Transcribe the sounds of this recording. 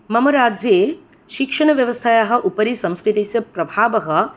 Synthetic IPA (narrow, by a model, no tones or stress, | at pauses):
mɐmɐɾaːd͡ʒjeː | ʃikʂɐɳ̃ɐʋjɐʋɐst̪ʰajaːɦɐ̆ʔupɐɾisɐ̃mskɾɪt̪isjɐpɾɐbʱaːʋɐɦɐ̆